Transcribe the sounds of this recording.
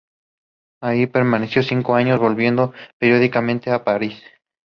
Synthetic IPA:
aipe̞ɾmanesjo̞siŋkoaɲozβo̞lβje̞nd̪opeɾjo̞ðikamẽnt̪eapaɾis

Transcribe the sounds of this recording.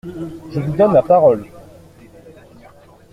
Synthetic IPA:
ʒəvud̪ɔnlapaʁɔl

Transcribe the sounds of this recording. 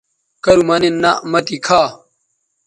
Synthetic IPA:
kɐɾumɐninːa̰ʔmɐt̪ikʰaː

